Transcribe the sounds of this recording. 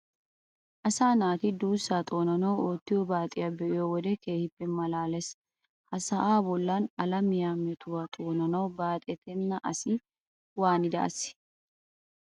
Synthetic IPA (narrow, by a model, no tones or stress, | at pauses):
ʔɐsaːnaːt̪ɪd̪uːsːat̪ʼo̞ːnɐnɐwoːt̪ːɪjɔbaːt̪ʼɪjɐbɛʔɪjɔwɔd̪ɛkeːhɪbːɛmɐlaːlɛs | hɐsɐʔaːbɔlːanɐlɐmɪjamɛt̪ʊwɐt̪ʼoːnɐnɐwbaːt̪ʼɛt̪ʰɛnːɐʔɐsɪ | waːnɪd̪ɐ̰ʔɐ̰sɪ̥